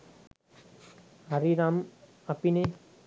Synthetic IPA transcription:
aɾiɾam | apine

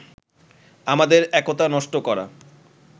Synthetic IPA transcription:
amad̪eɾɛkot̪anɔʃʈokɔɾa̰

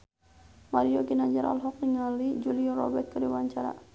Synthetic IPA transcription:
maɾioɡinaɲd͡ʒaɾʔa̰lɦɔk̚niŋalid͡ʒuliɔɾɔ̰bɛt̪̚kədiwaɲt͡ʃaɾa̰

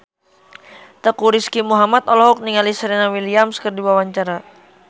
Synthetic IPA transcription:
t̪əkuɾiskimuɦamat̪ɔlɔɦɔk̚niŋalisəɾɛnawiliamskərdiwawaɲt͡ʃaɾa

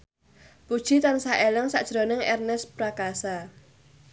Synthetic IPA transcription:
pud̥ʒ̥it̪ansaʔeləŋsa̰ʔd̥ʒ̥ɾonɪŋɛrnɛspɾakasa

